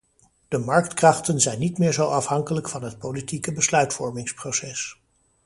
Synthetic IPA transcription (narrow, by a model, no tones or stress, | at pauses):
d̥əmɑɹktkrɑχtənzɛjnːitmɪːɹzowɑfɦɑŋkələkfɑnɦət̚powlitikəbəslœɥtfɔɹmɪŋsprosɛs